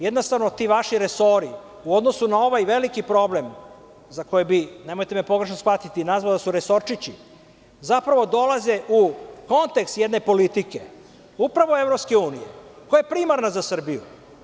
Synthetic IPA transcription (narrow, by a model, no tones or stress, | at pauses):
jed̪nost̪aʋnot̪iʋaʃiɾeso̞ɾi | uo̞d̪no̞sunao̞ʋajʋelikipɾo̞blem | zako̞jebine̞mo̞jt̪e̞mepo̞ɡɾe̞ʃ̬nosxʋat̪it̪inazʋad̪asuɾeso̞ɾt͡ʂit͡ɕi | zapɾaʋo̞d̪o̞laze̞ʔuko̞nt̪e̞kst̪jed̪ne̞po̞lit̪ike | upɾaʋoe̞vɾopske̞uːnijḛkojaepɾiːmaɾnazasr̩bijṵ